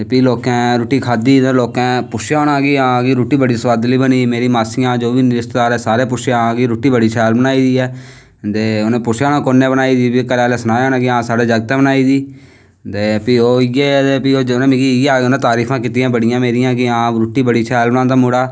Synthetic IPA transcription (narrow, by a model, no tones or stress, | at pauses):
epiːloːkɛ̃ːɾuːʈiːkʰaːd̪iːd̪eloːkɛ̃ːpʊʃjaːnãːkiãːɡiːɾuːʈiːbəɽiːsʋaːd̪liːbəniːmeːɾiːmaːsɪjãːd͡ʒoːʋiːnɪɾɪst̪d̪aːɾɛːsaːɾeːp̬ʊʃjaɡiːɾuːʈiːbəɽiːt͡ʃʰɛːlbənaːiːd̪iːɛː | t̪eːʊnẽːpʊʃaːnãːkonːeːbənaːiːd̪iːpikəɾɛːleːsənaːjaːnãːkɪãːsaːɖeːd͡ʒəɡt̪ɛ̃ːbənaːiːd̪iː | t̪eːpiːoːɪjeːt̪eːpiːoːonẽːmikiɪjaːʊnẽːt̪aːɾiːfʰãːkɪt̪iːãːbəɽɪjãːmeːɾɪjãːkɪãːɾuːʈiːbəɽiːt͡ʃʰɛːlbənãːt̪aːmʊɽaː